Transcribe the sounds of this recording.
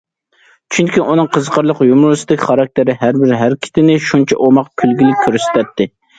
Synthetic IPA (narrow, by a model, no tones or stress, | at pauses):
t͡ʃʰyŋkʲiʔunɨŋqʰəzqʰəɾlˠəqjumɾusɪd̪ɪkʲχɑɾɑk̚ʲt̪ʰɪɾɪɦæɾbɪɾɦæɾkʲʰi̥t̪ʰɪnɪʃunt͡ʃʰɛ̰ʔomɑqkʲʰylɡʲilɪk̚ʲkʲʰøɾst̪ʰɛt̪ʰːɪ